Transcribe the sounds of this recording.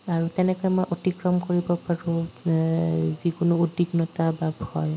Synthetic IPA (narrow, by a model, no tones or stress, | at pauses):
aɹutɛnɛkɔjmɔjʔotikɹɔmkoɹibɔpaɹu | zikʊnʊodiknɔtababʱɔ̰ɹ